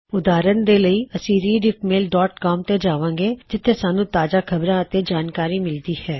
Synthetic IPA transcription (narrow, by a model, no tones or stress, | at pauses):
ʊd̪aːɾənd̪eːləiːəsĩːɾiːɖɪpmeːlɖɔːʈkɔːmt̪eːd͡ʒaːʋãːɡeːd͡ʒɪt̪ʰːeːsaːnũːt̪aːd͡ʒaːkʰəbɾãːət̪ed͡ʒaːnkaːɾiːmɪld̪iːhɛː